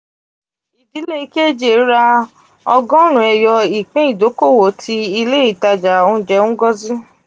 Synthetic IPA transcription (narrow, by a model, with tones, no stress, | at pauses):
i˨di˨˦le˦˨˦ke˦d͡ʒe˨˦ɾa˧ | ɔ˧ɡɔ̃˦ɾ̃ũ˨ɛ˧jɔ˧i˨k͡pɛ̃˨˦i˦˨do˨˦ko˦˨wo˨˦tʰi˧i˧le˦i˦˨ta˧d͡ʒa˨o˧˦d͡ʒɛ˧˦ũ˦ɡɔ˦zi˦